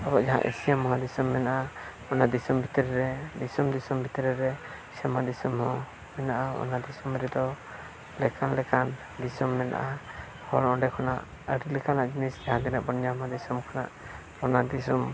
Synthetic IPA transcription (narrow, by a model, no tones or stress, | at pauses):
abɔʔd͡ʒaɦã̰ʔḭsijamɔɦãd̪isɔmːɛnaʔa | ɔnad̪isɔmbʱit̪əɾɛɾɛd̪isumd̪isɔmbʱit̪əɾɛɾɛ | sɛmad̪isumhɔ̃ | mɛnaʔaɔ̰nad̪isɔmɾɛd̪ɔ | lɛkanlɛkan | d̪isɔmmɛna̰ʔa | hɔlɔɳɖɛkʰɔna̰ʔ | əɽilɛkanaʔd͡ʒinisd͡ʒaɦãd̪inaʔbɔnjamɔɦad̪isumkʰana̰ʔ | ɔnad̪isɔm